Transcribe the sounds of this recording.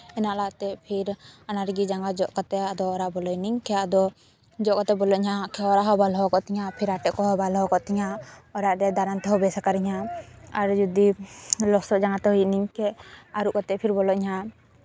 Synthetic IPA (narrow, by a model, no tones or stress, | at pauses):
ɛnaʔlat̪ɛpʰiɾanaɾɡid͡ʒaŋɡad͡ʒɔʔkat̪ɛad̪ɔːɾaʔbɔlɔjniɲkɛad̪ɔ | d͡ʒɔʔkat̪ɛbɔlɔɲhakʰɛɔɾaɦɔbalɦɔkɔʔt̪ɛɲapʰiɾaʈɛkɔɦɔbalɦɔkɔʔt̪ɛɲaɔɾaʔɾɛd̪aɾant̪ɛɦɔbɛsakaɾiɲɦaaɾd͡ʒud̪ilɔsɔd͡ʒaŋɡat̪ɔɦuijniɲkɛaɾuʔkat̪ɛpʰiɾbɔlɔɲɦa